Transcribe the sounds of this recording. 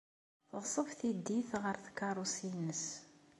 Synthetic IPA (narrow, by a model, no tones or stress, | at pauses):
θʁsˤəvθid̪ːiθʁəɾθkːɑrˤusinəs